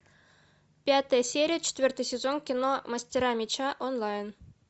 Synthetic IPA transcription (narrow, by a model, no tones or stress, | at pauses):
pʲat̪əjəsʲeɾʲijət͡ɕɪ̥t̪ʲvʲɵrt̪ɨjsʲɪzonkʲinomɐsʲtʲɪɾɑmʲet͡ɕaʔonlˠɑjn